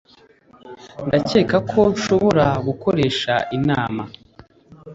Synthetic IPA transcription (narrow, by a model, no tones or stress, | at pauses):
ndace̞ːkakʰo̞ʃo̞βo̞ɾaɡuko̞ɾe̞ːʃa̰ʔinaːma